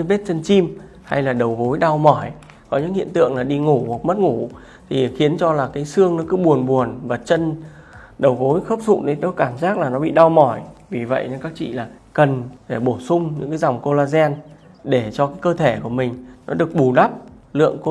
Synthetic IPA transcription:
ve˦˥t̚t͡ɕə˧nt͡ɕi˧m | ha̰˧jlaː˨˩ɗə˨˩wɣo˨˦jɗa˧wmɔ˧˩j | kɔ˨˦ɲɨ̰˧˥ŋhḭ˧˨ənt̪ɨ̰˧˨əŋlaː˨˩ɗi˧ŋu˧˩hu˨˩k̚mə˦˥t̚ŋu˧˩ | t̪ʰi˨˩xi˨˦ənt͡ɕɔ˧laː˨˩kaː˨˦jsɨ˧əŋnɨ˨˦kɨ˨˦ɓu˨˩ənɓu˨˩ənvaː˨˩t͡ɕə˧n | ɗə˨˩wɣo˨˦jxə˦˥p̚zʊ̰˧˨nɗə˨˦jnɔ˨˦kaː˧˩mzaː˦˥k̚laː˨˩nɔ˨˦ɓḭ˧˨ɗa˧wmɔ˧˩jvi˨˩və̰˧˨ja˨˦kaː˦˥k̚t͡ɕḭ˧˨laː˨˩kə˨˩nɗe˧˩ɓo˧˩sʊ˧ŋ͡mɲɨ̰˧˥ŋkaː˨˦jza˨˩wŋ͡mko˧laː˧zɛ˧n | ɗe˧˩t͡ɕɔ˧kaː˨˦jkəː˧t̪ʰe˧˩ku˧˩əmï˨˩ŋ̟nɔ˨˦ɗɨ˨˩ək̚ɓu˨˩ɗa˦˥p̚ | lɨ̰˧˨əŋk

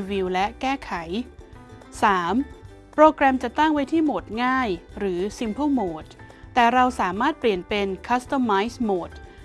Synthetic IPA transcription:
wi˧wlɛ˦˥ʔkɛː˥˩kʰa˩˦j | saː˩˦m | pɾoː˧kɾɛ˧mt͡ɕa˨˩ʔt̪a˥˩ŋwa˦˥jt̪ʰiː˥˩moː˨˩t̪̚ŋaː˥˩jɾɯː˩˦si˧mpʰuː˥˩moː˨˩t̪̚ | t̪ːɛː˨˩ɾa˧wsaː˩˦maː˥˩t̪̚pli˨˩ənpe˧nkʰa˦˥st̪a˧mːaː˦˥jsmo˨˩t̪̚

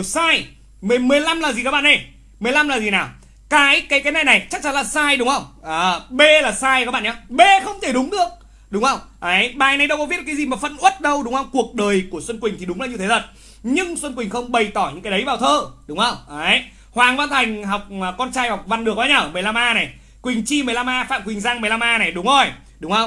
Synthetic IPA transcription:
saː˧j | mɨ˨mɨ˨˩əjla˧mlaː˨˩zi˨˩kaː˦˥ɓa̰ː˧˨ɗə˧˩j | mɨ˨˩əjla˧mlaː˨˩zi˨˩naː˨˩w | kaː˨˦jkaː˨˦jkaː˨˦jna̰˨˧˩jna˨˩jt͡ɕa˦˥k̚t͡ɕa˨˦nlaː˨˩saː˧jɗʊ˨˦ŋ͡mhə˧wŋ͡mʔaː˨˩ɓe˧laː˨˩saː˧ja˦˥ɓa̰ː˧˨ɲa˨˧˦ɓe˧xə˧wŋ͡mt̪ʰe˧˩ɗʊ˨˦ŋ͡mɗɨ˨˩ək̚ | ɗʊ˨˦ŋ͡mhə˧wŋ͡mʔə˨˦jɓaː˨˩jna˨˩jɗə˧wkɔ˨˦i˦˥t̚ːkːzi˨˩maː˨˩fə̰˧˨nʔwə˦˥t̚ɗə˧wɗʊ˨˦ŋ͡mŋə˧wŋ͡mku˨˩ək̚ɗəː˨˩jku˧˩əswə˧nkwï˨˩ŋ̟t̪ʰi˨˩ɗʊ˨˦ŋ͡mlaː˨˩ɲɨ˧t̪ʰe˨˦t̪ʰə˨˩t̚ | ɲɨ˧ŋswə˧nkwi˨˩ŋ̟xə˧wŋ͡mɓə˨˩jt̪ɔ˧˩ɲɨ̰˧˥ŋkːaː˨˦ɗə˨˦jvaː˨˩wt̪ʰəː˧ɗʊ˨˦ŋ͡mʔə˧wŋ͡mʔə˨˦j | hwaː˨˩ŋva˧nt̪ʰa˨˩jŋ̟ɦa˨˩wk͡p̚ːkːɔ˧nt͡ɕaː˧jha˨˩wk͡p̚va˧nɗɨ˨˩ək̚waː˨˧˦ɲaː˧˩mɨ˨˩jla˧mʔaː˧na˨˩j | kwï˨˩ŋ̟t͡ɕi˧mɨ˨˩əjla˧mʔaː˧fa̰ː˧˨mkwi˨˩ŋ̟zaː˧ŋm˨˩jla˧mʔaː˧na˨˩jɗʊ˨˦ŋ͡mzo˧˩j | ɗʊ˨˦ŋ͡mhə˧wŋ͡m

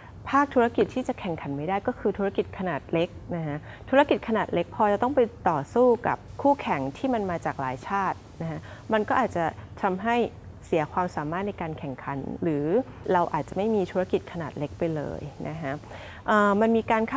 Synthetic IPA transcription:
pʰaː˥˩k̚t̪ʰu˦˥ɾa˧ki˨˩t̪ʰːiː˥˩t͡ɕa˨˩kʰɛ˨˩ŋkʰa˩˦nma˥jdaː˥˩jkɔː˥˩kʰɯː˧t̪ʰu˦˥ɾa˦˥ki˨˩t̪̚kʰa˧naː˨˩t̪̚le˦˥k̚na˦˥kʰa˦˥t̪ʰuː˦˥ɾa˦˥ki˨˩t̪̚kʰa˧naː˨˩t̪̚le˦˥k̚pʰɔː˧t͡ɕa˨˩t̪ɔ˥˩ŋpa˧jt̪ɔː˨˩suː˥˩ka̰˨˩p̚kʰuː˥˩kʰɛ˨˩˦ŋt̪ʰiː˥˩ma˧nmaː˧t͡ɕaː˨˩k̚laː˨˩˦jt͡ɕʰaː˥˩t̪̚na˦˥kʰa˦˥ | ma˧nkɔː˥˩ʔaː˨˩t̪̚t͡ɕa˨˩t̪ʰa˧mɦa˥˩j | si˨˩˦ɐkʰwaː˧msaː˩˦maː˥˩t̪̚na˧jkaː˧nkʰɛ˨˩ŋkʰa˩˦nɾɯː˩˦ | ɾa˧wʔa̰ː˨˩t̪̚t͡ɕa˨˩ma˥˩jmiː˧t̪ʰu˦˥ɾa˧˥ki˨˩t̪̚kʰa˧naː˨˩t̪̚le˦˥k̚pa˧jlɤ̰ː˧jnʔa̰˦˥kʰa˦˥ | ʔəː˨˩ma˧nmiː˧kaː˧nkʰa˥

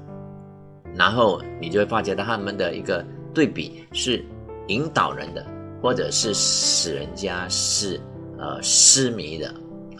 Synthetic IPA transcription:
na˧˥nxo˥˩ʊni˨˩t͡ɕo˥ʊwe˥˩fa˥t͡ɕjd̪ʰa˥mə˨nd̪ə˨ḭ˧˥ɡə˧t̪we˥˩ɪpḭ˨˩˦ | ʂɻ̩˥˩i˧˥ŋt̪ɑ˨˩ʊɻə̰˧˦nd̪ə˧xwɔ˥˩ʈ͡ʂɤ˨˩ʂɻ̩˥˩ʂɻ̩˨˩ɻə̰˧˦nt͡ɕja˥ʂɻ̩˥˩ | ə̰˧ʂ̩˥mi˧˥˦d̪ə̰˧

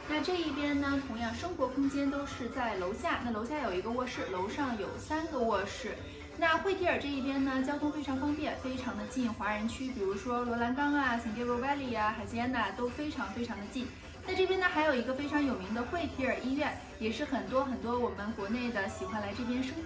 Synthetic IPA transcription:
na˥˧ʈ͡ʂɤ˥˧i˥˩pjɛ˥nnə˨t̪ʰʊ˧˥ŋjɑ˥˩ŋʂɤ˥ŋxwɔ˧˥kʰʊ˥ŋt͡ɕjɛ˥nt̪o˥ʊʂɻ̩˥˧t͡sa˥˩ɪlo˧˥ʊɕja˥˩na˥˩lo˧˥ɕja˥˩jo˨˩ʊi˧˥ɡə˧wɔ˥˧ʂɻ̩˥˩lo˧˥ʊʂɑ˥˩ŋjo˨˩ʊsa˥nɡə˨wɔ˥˧ʂɻ̩˥˩ | na˥˧xwe˥˩ɪt̪ʰi˧˥ə˞˨˩ʈ͡ʂɤ˥˧i˥˩p̬jɛ˥nnə˨t͡ɕjɑ˥ʊt̪ʰʊ˥ŋfe˥ɪʈ͡ʂʰɑ˧˥ŋfɑ˥ŋpjɛ˥˩nfe˥ɪʈ͡ʂʰɑ˧˥ŋd̪ə˧t͡ɕi˥˩nxwa˧˥ɻə˧˥nt͡ɕʰy˥pi˨˩ɻu˧˥ʂwɔ˥lwɔ˧˥la˧˥nkɑ˥ŋa˧˩ɕʰi˨˩ŋt͡ɕe˥˩lwɔ˧˥pa˥ɪli˨˩a˩xa˨˩ɪt͡ɕjɛ˥nə˨t̪o˥ʊfe˥ɪʈ͡ʂʰɑ˧˥ŋfe˥ɪʈ͡ʂʰɑ˧˥ŋd̪ə˧t͡ɕi˥˩n | na˥˧ʈ͡ʂɤ˥˩pjɛ˥nə˨˩xa˧˥ɪjo˨˩i˧˥ɡə˧fe˥ɪʈ͡ʂʰɑ˧˥ŋjo˨˩ʊmi˧˥ŋd̪ə˧xwe˥˩ɪt̪ʰi˧˥ə˞˨˩i˥ɥɛ˥˩n | jɛ˨˩ʂɻ̩˥˩xə˨˩nt̪wɔ˥xə˨˩nt̪wɔ˥wɔ˨˩mə˦nkwɔ˧˥ne˥˩ɪd̪ə˩ɕi˨˩xwa˥˩nla˧˥ɪʈ͡ʂɤ˥˩pjɛ˥nʂɤ˥ŋ

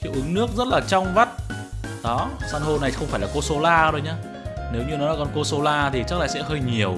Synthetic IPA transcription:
xi˨˧˥wʔɨ˨˦ŋnɨ˦˥ək̚zə˦˥t̚laː˨˩t͡ɕɔ˧wŋ͡mva˦˥t̚ | ɗɔ˨˦saː˧nɦo˧na˨˩jxə˧wŋ͡mfaː˧˩jlaː˨˩ko˧so˧laː˧ɗo˧jɲaː˧ | ne˨˦wɲɨ˧nɔ˨˦lːkɔ˧nko˧so˧laː˧t̪ʰi˨˩t͡ɕa˦˥k̚laː˧˨sɛ̰˧˥ɦəː˧jɲi˨˩əw

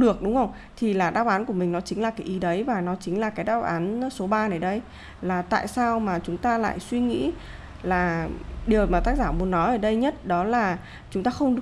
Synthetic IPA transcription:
ɗɨ˨˩ək̚ɗʊ˨˦ŋ͡mʔə˧wŋ͡m | t̪ʰi˨˩laː˨˩ɗaː˨˧wʔaː˨˦nku˧˩əmï˨˩ŋ̟nɔ˨˦t͡ɕï˨˦ŋ̟laː˨˩kaː˨˦jʔi˨˦ɗə˨˦jvaː˨˩nɔ˨˦t͡ɕï˨˦ŋ̟laː˨˩kaː˨˦jɗaː˧˥w̚ʔaː˨˦nso˨˦ɓaː˧nə˨˦jɗə˧j | laː˨˩t̪a̰ː˧˨jsaː˧wmaː˨˩t͡ɕʊ˨˦ŋ͡mt̪aː˧la̰ː˧˨jswi˧ŋḭ˧˥ | laː˨˩ɗi˨˩əwmaː˨˩t̪aː˦˥k̚zaː˧˩mu˨˩ənːɔ˨˦ʔəː˧˩ɗə˧jɲə˦˥t̚ɗɔ˨˦laː˨˩ | t͡ɕʊ˨˦ŋ͡mt̪aː˧xə˧wŋ͡mɗ

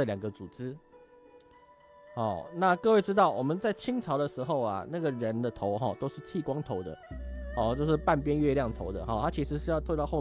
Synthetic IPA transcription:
ljɑ˨˩ŋɡə˨t͡su˨˩ʈ͡ʂɻ̩˥ | hɔ˥˨˩na˥˨kɤ˥˧we˥˩ɪʈ͡ʂɻ̩˥t̪ɑ˥˩ʊwɔ˨˩mə˨nt͡sa˥˩ɪt͡ɕʰi˥ŋt͡sʰɑ˨˧˥ʊd̪ə˨ʂɻ̩˧˥xo˥˩ʊa̰˨˩na˥˩ɡə˩ɻə˧˦nd̪ə˨t̪ʰo˨˦ʊɦɔ̰˥˨t̪o˥ʊʂɻ̩˥˩t̪ʰi˥˩kwɑ˥ŋt̪ʰo˧˥ʊd̪ə̰˨ɔ˨˥˩t͡ɕjo˥˧ʊʂɻ̩˥˩pa˥˨npjɛ˦˥nɥɛ˥˧ljɑ˥˩ŋt̪ʰo˧˥ʊd̪ə˨hɔ˨˩t̪ʰa˥t͡ɕʰi˧˥ʂɻ̩˧˥ʂ̬ɻ̩˥˧jɑ˥˧ʊt̪ʰwt̪ɑ˥˧ʊxo˥˧˩

